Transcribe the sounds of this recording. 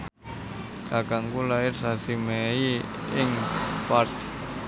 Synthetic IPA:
akaŋkulaɪrsasimei | ɪŋpart̪

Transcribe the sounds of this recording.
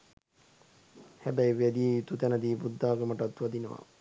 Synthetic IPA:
hæbæjʋæd̪ieit̪ut̪ænəd̪iːbud̪ːaːɡəmaʈat̪ʋad̪inəʋa̰

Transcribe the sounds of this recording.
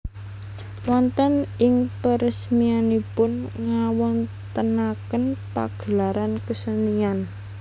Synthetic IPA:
wɔnt̪ənɪŋpəɾəsmianipʊnŋawɔn | t̪ənakənpa̰ɡ̥əlaɾankəsənian

